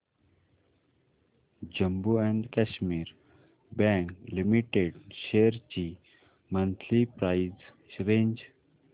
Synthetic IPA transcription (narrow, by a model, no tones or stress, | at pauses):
d͡ʒə̃mbuɛ̃ɳɖkɛʃmiɾ | bɛ̃ŋklimiʈeɖʃeːəɾt͡ʃi | mʌ̃nt̪ʰlipɾaɪz | ɾẽːɲd͡ʒ